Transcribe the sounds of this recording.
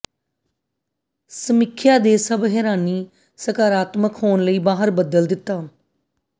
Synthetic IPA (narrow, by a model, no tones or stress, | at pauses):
səmɪkʰjaːd̪eːsəbɦɛɾaːniː | səkaːɾaːt̪məkɦoːnləiːbaːɦəɾbəd̪əld̪ɪt̪ːaː